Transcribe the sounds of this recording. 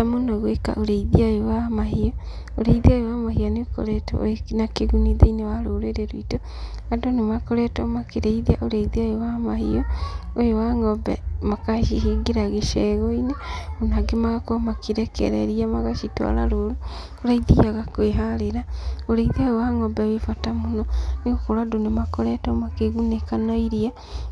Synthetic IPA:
amonɔɣweka̰ʔoɾeiðiajowamaɦiɔ | oɾeiðiajowamahianeoko̰ɾɛtɔ̰nakeɣuniðeinewaɾoɾeɾeɾoito | adonemakoɾɛtɔmakeɾeiðiaʔoɾeiðiajowamaɦijɔojowaŋɔbɛ̰makaʃiɦiɡeɾaɣeʃɛɣoinemonaɡemaɣakoamakiɾɛkɛ̰ɾɛɾiamaɣaʃitwa̰ɾa̰ɾoɾo | oɾaiðijaɣakweɦaɾeɾaoɾeiðajowaŋɔbɛwefatamonɔneɣokoɾwadonemakoɾɛtɔmakeɣunekanɔiɾia

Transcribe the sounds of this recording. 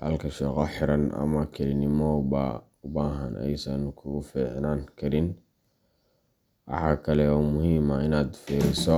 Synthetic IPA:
hɐ̰lkʰɐʃɛːqɔħɪɾɐnʔɐ̰mɐkʰɪlɪnɪmɔbɐ̰ | ʊbaːɦɐnʔɛ̰jsɐnkʰʊʊfiːʕnaːnkʰɐɾɪn | ʔɑ̰ħaːkʰɐlɛɔmʊɦiːmɐɪnaːd̪fiːɾɪsɔ

